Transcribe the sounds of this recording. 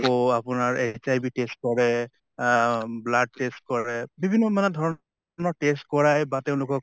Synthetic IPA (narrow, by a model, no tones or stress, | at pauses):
ɔapʊnaɹesajbitest̚kɔɹɛ | blad̚test̚kɔɹɛbibʱinːɔmanɛdʱɔɹɔ | nɔɹʈestkɔɹajbateʊ̃lʊkɔk̚